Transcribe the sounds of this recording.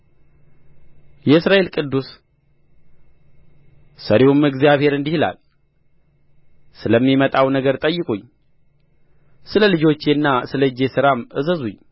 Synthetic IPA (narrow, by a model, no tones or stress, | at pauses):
jɛɨsɾaʔe̞lkʼɨd̪ːus | səɾeumɨɡzijaβhe̞ɾɨnd̪ihla̰l | sɨləmːimət̪ʼawnəɡəɾt̪ʼəjːɨkʼuɲː | sɨləlɨd͡ʒo̞t͡ʃːenːasɨləɨd͡ʒːe̞sɨɾamʔɨzəzuɲː